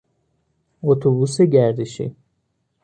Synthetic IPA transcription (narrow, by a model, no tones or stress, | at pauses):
ot̪ʰobuseɟæɾd̪iʃḭ